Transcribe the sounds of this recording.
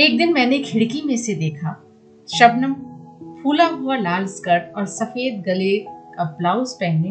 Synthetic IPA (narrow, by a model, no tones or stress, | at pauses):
eːk̚d̪ɪnmɛ̃ːnekʰɪɽkimẽsed̪eːkʰa | ʃɐbnəmpʰuːlaɦualaːlskəɾʈɔːɾsɐfeːd̪̚ɡɐlekaplaːʊzpɛɦne